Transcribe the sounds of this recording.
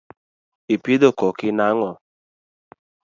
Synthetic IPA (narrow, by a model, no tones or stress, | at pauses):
ipidokɔkɪnaŋɔ